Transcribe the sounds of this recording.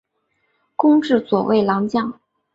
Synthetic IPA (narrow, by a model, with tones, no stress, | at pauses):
kʊ˥ŋʈ͡ʂɻ̩˥˩swɔ˨˩wḛ˥˩ɪlɑ˧˥ŋt͡ɕjɑ˥˩ŋ